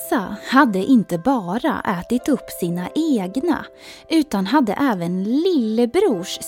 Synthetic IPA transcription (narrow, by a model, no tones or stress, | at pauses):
sahad̪ːəʔɪnt̪əbɑːɾa̰ʔɛːt̪ɪt̪ɵpːsiːnaʔeːɡna̰ | ʔʉ̟ːt̪anɦad̪ːə̰ʔɛːvənlɪlːəbɾuːʂ